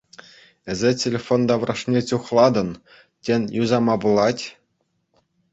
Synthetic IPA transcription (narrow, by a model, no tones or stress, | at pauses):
ɘ̆zʲetʲelʲefond̪ɑʋrɑʂnʲet͡ɕuχlˠɑd̪ɤ̆n | tʲenʲjuzɑmɑbulˠɑtʲ